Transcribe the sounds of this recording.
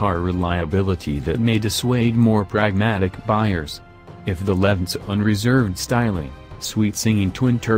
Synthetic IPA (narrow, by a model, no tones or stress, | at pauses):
ɑɹɹɪlaɪɨbɪlˠəɾiðɨt̚meɪdɨsweɪd̚mɔɹpʰɹ̥æɡ̚mæɾɨkb̥aɪə˞z̥ | ɨfðəlɛvn̩sʌ̃nɹɨzɜ˞vd̥staɪlˠɪ̰̃ŋswitsɪ̃ŋɪ̃ŋtʰw̥ɪ̃ntʰɜ˞